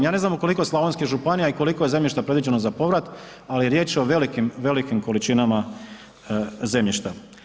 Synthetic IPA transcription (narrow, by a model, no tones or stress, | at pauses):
jaːne̞znamuko̞liko̞jeslaʋonskiʒupanijaiko̞likoje̞ze̞mʎʲiʃt̪apɾed̪ʋid͡ʑe̞nozapo̞ʋɾat̪ | alieɾje̞ːt͡ʃo̞ʋe̞likimʋe̞likimko̞lit͡ʃinama | ze̞mʎiʃt̪a